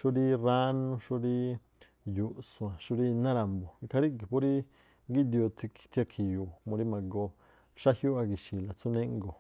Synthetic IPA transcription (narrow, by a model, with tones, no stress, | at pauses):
ʃu˦ɾi˦ɾa˦nũ˦ʃu˦ɾi˦ | ju˨ʔsũ˨˧˨ã˨ʃu˦ɾi˦˧nã˦ɾa˨mbo˨i˧kʰa˧ɾi˦ki˨po˦ɾi˦ | ŋɡi˦d̪i˧o˧t͡s̪i˧ki̥˧t̪i˧a˧kʰi˧ju˧mõ˧ɾi˦mã˨ɡo˧ | ʃa˦hju˦a˧ɡi˨ʃi˨la˨t͡su˦nẽ˦ŋɡo˨